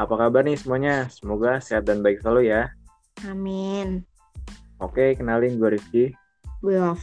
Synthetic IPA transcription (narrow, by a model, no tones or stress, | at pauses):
apakabarnɪsəmuaɲasəmoɡasiɦat̪̚danbaɪk̚slaluja | amɪn | okekənalɪnɡuaɾifki | bəaf